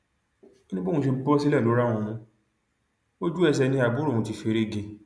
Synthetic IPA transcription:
o˦nĩ˦bõ˦˨ũ˧ʃe˧bɔ˦si˦lɛ˦˨lo˨˦ɾã˦˧ũ˧ũ˧˦ | o˦d͡ʒu˦ɛ˧s̬ɛ˧nĩ˧˦a˨bu˨˦ɾo˦˨ũ˧ti˧fe˧ɾe˦ɡe˧

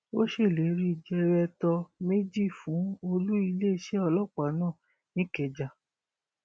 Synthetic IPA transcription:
o˦ʃe˦˨le˨˦ɾi˦˨d͡ʒɛ˧ɾɛ˧tɔ˧me˦d͡ʒi˦˨fũ˨˦o˧lu˦i˧le˦˨ʃɛ˨˦ɔ˧lɔ˦˨k͡pa˨˦nãː˦˨ | nĩ˦kɛ˨d͡ʒa˨

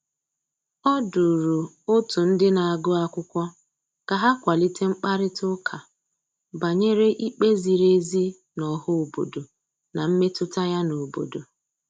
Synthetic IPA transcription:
ɔ˦dʊ˨ɾu˨ | o˦tu˨n̩˦dɪ˦na˨a˨ɡʊ˦a˦kʷʊ˦kʷɔ˦ | ka˨ɦa˦kʷa˨li˦ti˦ŋ͡m̩˦k͡pa˦ɾɪ˦tʊ˦kʰa˨ | ba˨ɲe˦ɾe˦ʔi˦k͡pe˦zi˨ɾe˦zi˦ | nɔ˨ɦʊ˦o˨bo˨do˨ | na˨m̩˦me˦tʊ˦ta˦ja˦no˨bo̰˨do˨

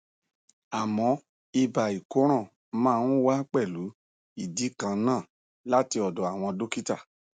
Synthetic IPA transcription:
a˨mɔ̃˨˧˦ | i˧ba˨i˨ko˨˦ɾ̃ã˦˨ | mãː˦˧nũ˦wa˦k͡pɛ˦˨lu˨˦ | i˦˨di˨˦kã˧nãː˦˨ | la˦ti˧ɔ˨dɔ˨a˨w̃ɔ̃˧do˦ki˦ta̰˦˨

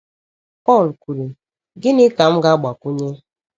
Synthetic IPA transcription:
pɔ˦˨lkʷu˨ɾi˨ | ɡɪ˦nɪ˦ka˨m̩˦ɡa˦ɡ͡ba˨ku˦ɲe˦

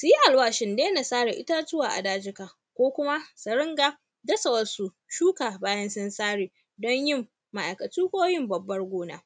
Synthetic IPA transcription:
su˨ji˦ʔa˨lwaː˦ʃɪ˨ndeː˦na˨saː˦ɽa˨ʔɪ˦taː˦t͡ʃʊ˦waː˨ʔa̰˨daː˦d͡ʒɪ˦ka˨ | kʷoː˦kʷʊ˦ma˦sɐ˨ɽɪ˦ŋɡa˦ | dɐ˦sɐ˨wɐ˨su˨ | ʃuː˦kaː˨baː˦jɐ˦nsɪ˦nsaː˦ɽiː˨ | dɔ˦ɲjɪ˦˨mː | ɐ˨ʔa̰˨jkɐ˨tuː˦kʷoː˦jɪ˦mbɐ˨bːɐ˦rɡʷoː˦na̰ː˦

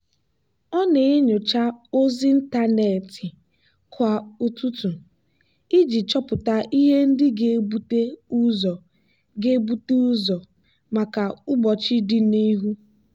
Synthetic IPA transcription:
ɔ˦ne˨e˦ɲʊ˨t͡ʃa˦o˦zi˦n̩˦ta˦ne˨tɪ˨ | kʰʷa˨u˦tu˦tu˨ | i˦d͡ʒi˨t͡ʃɔ˦pʊ˨ta˦ʔi˦ɦe˦n̩˦dɪ˦ɡe˨˦bu˦te˦u˦zɔ˨ | ɡe˦bu˦tu˦u˦zɔ˨ | ma˨ka˨ʊ˦ɡ͡bɔ˨t͡ʃi˦dɪ˦ni˦ɦu˦

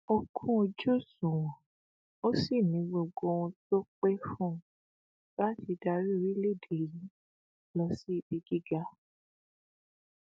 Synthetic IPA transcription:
o˧kʰũ˦o˧d͡ʒo˦˨sũ˨ | o˦si˦˨nĩ˨˦ɡ͡bo˨ɡo˧˦w̃ɔ̃˧to˦k͡pɛ˦fũ˦˨ | la˦ti˧da˧ɾi˦˧ɾi˦le˦˨de˨jĩ˨˦ | lɔ˧si˦˨bi˧ɡi˦ɡa˦

